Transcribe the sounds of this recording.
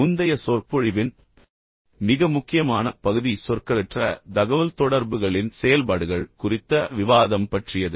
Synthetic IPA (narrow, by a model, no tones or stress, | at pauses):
ʊnd̪ɐjɐsoːrpɔɻɪʋɪn | mɪɣɐmʊkːɪjɐmaːnɐpɐɣɯðisɔrkɐɾɛʈrɐ̰d̪ɐɣɐʋɐlt̪ɔɽɐɾbɯɣɐɭɪnsɛjɐlpaːɽɯɣɐɭkʊrɪt̪ːɐʋɪʋaːðɐmpɐʈrɪjɐðɯ